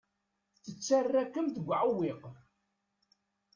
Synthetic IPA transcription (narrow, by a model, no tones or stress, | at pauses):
θət͡sːarːækːəmθəɡʷʕəwɪq